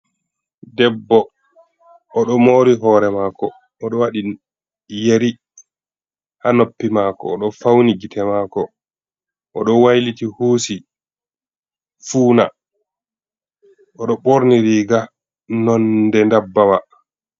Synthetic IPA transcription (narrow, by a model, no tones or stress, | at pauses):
dɛbːɔ | ɗɔmoːɾiɦɔːɾɛmaːkɔː | ɗɔwaɗi | jeɾi | hanopːimaːkɔ̰ːɗɔfawniɡitɛmaːkɔ | ʔɔɗɔwajlitihoːsi | fuːna | ʔɔɗɔɓoɾniɾiːɡa | nɔndɛndabːawa